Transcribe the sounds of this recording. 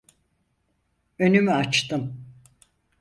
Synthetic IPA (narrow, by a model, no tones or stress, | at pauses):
ø̞nymyat͡ʃt̪ɯm